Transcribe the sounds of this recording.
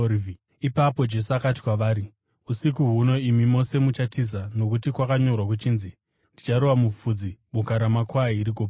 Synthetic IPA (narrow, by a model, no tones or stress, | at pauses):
ipapo̞d͡ʒe̞suakati̥kwaʋaːɾi | usik̬uɦuno̞imimo̞se̞mut͡ʃatizano̞kutikwakaɲo̞rwak̬ut͡ʃiːnzi | ndit͡ʃaɾowamufuːd͡ziɓukaɾamakwaiɾikopa